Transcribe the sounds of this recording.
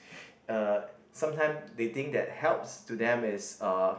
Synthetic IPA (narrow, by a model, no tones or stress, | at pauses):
ʌsãmtʰãɪ̃msdet̪ɪ̃ŋk̚dɛ̰t̚hɛlpstudɛ̃mɪsʌ